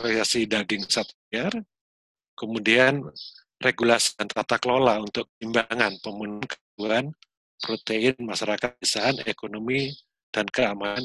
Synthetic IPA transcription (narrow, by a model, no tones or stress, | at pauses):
alisasidaɡɪŋsat̪̚iar | kəmudian | reɡulasi̥ant̪at̪akəlolaunt̪ʊk̚t̪imbaŋanpəmunnkəduan | pɾot̪eɪnmaʃaɾakat̪̚isaɦanekonomi | d̥ankəaman